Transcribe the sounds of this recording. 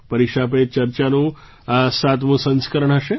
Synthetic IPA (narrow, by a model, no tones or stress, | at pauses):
pəɾiʃapet͡ʃəɾt͡ʃanũ | sat̪mũsə̃nskəɾəɳ̃ɦəʃe